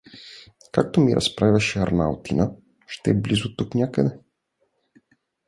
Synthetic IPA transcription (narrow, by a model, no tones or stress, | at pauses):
kak̚t̪omiɾʔɐ̰spɾavʲaʃɛaɾna̰lˠt̪inə | ʃt̪ɛːblizʊt̪uknʲakəd̪ɛ